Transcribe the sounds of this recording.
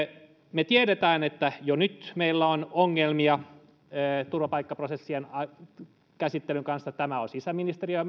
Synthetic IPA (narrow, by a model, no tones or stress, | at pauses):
met̪ieɾet̪æːnet̪ːæjonyt̪meilːæonoŋːelmiɑː | t̪urʋɑpɑikːɑprosesːienɑ | kæsit̪ːelyŋkɑnsjɑt̪æmæosisæminist̪eriø